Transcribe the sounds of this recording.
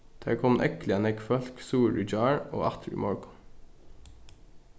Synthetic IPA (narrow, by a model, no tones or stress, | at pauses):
d̪̥æ̰ːkʰɔmnʔɛklɪənɛkfœlksuːɹʏd͡ʒɑːɹo̰ːʔɑt̪ʰɹʊ̰mɔɹɡʊ